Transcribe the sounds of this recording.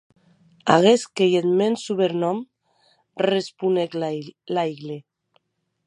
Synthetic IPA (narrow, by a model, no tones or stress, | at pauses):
a̰ɣeskejet̪mensuβeɾnɔm | respuneklajɣle